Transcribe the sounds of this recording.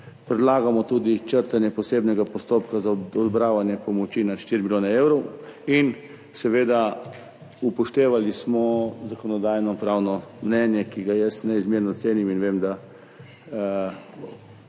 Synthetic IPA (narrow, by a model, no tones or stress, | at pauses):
pɾɛd̪laːɡamɔt̪uːd̪it͡ʃəɾt̪anjɛpɔseːbnɛɡapɔst̪opkazaɔd̪bɾaːʋanjɛpɔmɔt͡ʃinaʃt̪iːɾimiljoːnɛewɾɔwin | sɛʋeːd̪a | upɔʃt̪eːʋalismɔzakɔnɔd̪aːjnɔpɾawnɔmnɛnjɛkiɡajɛsnɛizmjeːɾnɔt̪seːniminʋeːmd̪a